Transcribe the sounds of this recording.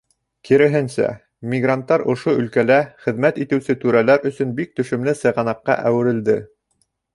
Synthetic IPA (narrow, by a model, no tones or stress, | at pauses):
kiɾɘ̆ɦɘnsæ̰ | mʲiɡrant̪ːɑɾŏʃoɵ̆lkælæχɘ̆ðmæt̪it̪ɘ̆wsɘt̪ʉɾælæɾɵ̆sɵnbik̚t̪ɵ̆ʃɵ̆mlɘsɤ̆jʁɑnɑqːɑ̰ʔæwɘ̆ɾɘ̆ld̪ɘ